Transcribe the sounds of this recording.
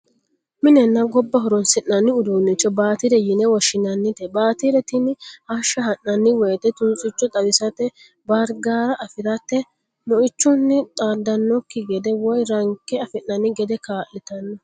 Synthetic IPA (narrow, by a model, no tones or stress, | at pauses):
mɪnɛnːɐɡɔbːɐɦɔɾɔnsɪʔnɐnːɪʊd̪uːnːɛt͡ʃːɔbaːt̪iɾɛjɪnɛwɔʃɪnɐnːɪt̪ɛbaːt̪iɾɛt̪ɪnɪhɐʃɐhɐnːɐnːɪwɛjt̪ɛt̪ʊnt͡sʼɪt͡ʃːɔt̪ʼɐbɪsɐt̪ɛ | bɐɾɡaːɾɐʔɐfɪɾɐt̪ːɛ | mɔɪt͡ʃːʊnːɪt̪ʼaːd̪ːɐnːɔkːɪɡɛd̪ɛwɔjɾɐŋkːɛɐfɪnːɐnːɪɡɛd̪ɛkaːʔːɪt̪ɐnːɔ